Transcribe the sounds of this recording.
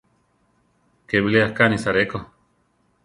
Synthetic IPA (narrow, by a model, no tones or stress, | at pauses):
keβileahkanisaɾeko